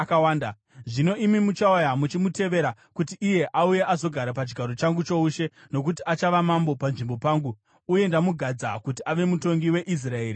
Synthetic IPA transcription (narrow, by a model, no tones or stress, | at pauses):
kawaːnda | ʐino̞ʔimimut͡ʃaajamut͡ʃimute̞ʋe̞ɾa | kutiʔːje̞ʔauje̞ʔazo̞ɡʱaɾapat͡ʃiɡʱaɾo̞t͡ʃaŋɡut͡ʃouʃe̞no̞kutiat͡ʃaʋamambo̞panʐimbo̞paːŋɡuː | je̞ndamuɡʱad͡zakutiaʋe̞muto̞ŋɡiwe̞ʔis̬rae̞ːɾi